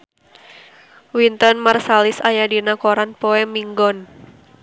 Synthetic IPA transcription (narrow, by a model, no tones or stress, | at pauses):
wint̪ɔnmarsalisajadinakoɾanpɔɛmiŋɡɔn